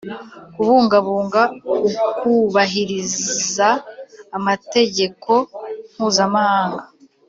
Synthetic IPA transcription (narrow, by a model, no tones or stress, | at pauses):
kuβuːŋɡaβuːŋɡaukuβaɦiɾizzaː | mate̞ɟe̞kʰo̞m̥huːzamahaːŋɡa